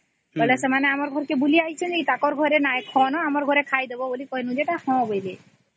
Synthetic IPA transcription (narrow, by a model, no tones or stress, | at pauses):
bɔlesemaneamɔɾɡʱɔɾkebuliaɦit͡ɕʰend͡ʒeit̪akɔɾɡʱɔɾenaekʰɔnɔamɔɾɡʱɔɾekʰajd̪ebɔbolikɔɦenũd͡ʑeʈahɔ̃bojle